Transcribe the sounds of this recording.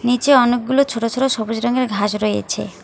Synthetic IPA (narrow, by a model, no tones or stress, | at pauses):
nit͡ɕeɔnek̚ɡulot͡ɕʰoʈot͡ɕʰoʈoʃɔbud͡ʑɾɔŋeɾɡʱaʃɾoḛt͡ɕʰḛ